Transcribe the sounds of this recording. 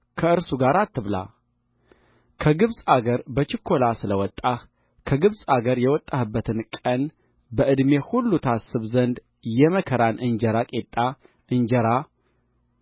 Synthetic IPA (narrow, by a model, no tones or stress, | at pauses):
kʰəɨɾsuɡaɾat̪ːɨβla̰ | kʰəɡɨβsʼaɡəɾbət͡ʃɪkʰːo̞lasɨləwɔt̪ʼːah | kʰəɡɨβsʼaɡəɾjɛwɔt̪ʼːahɨbːət̪ʰɨnkʼən | bəʔɨd̪me̞hulːut̪ʰasːɨβzənd̪ | jɛməkʰəɾanʔɨnd͡ʒəɾakʼet̪ʼːa | ɨnd͡ʒɛɾa